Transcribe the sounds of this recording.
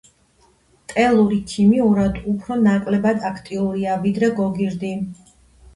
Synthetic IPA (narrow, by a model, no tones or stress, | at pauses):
t̪ʼɛlˠuɾikʰimiuɾad̪upʰɾɔnakʼlɛbad̪akʰt̪ʼiuɾiavid̪ɾɛɡɔɡiɾd̪i